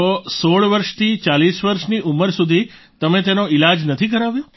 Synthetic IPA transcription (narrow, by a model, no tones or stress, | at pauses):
osoɭʋəɾʃt̪ʰit͡ʃalisʋəɾʃniʔuməɾsud̪ʱi | t̪əmẽt̪enoɪlad͡ʒnət̪ʰikəɾaʋjo